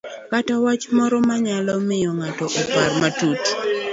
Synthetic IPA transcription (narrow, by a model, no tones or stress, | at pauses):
katawat͡ʃmɔɾɔmaɲalɔmɪjɔŋatɔʔɔparmatut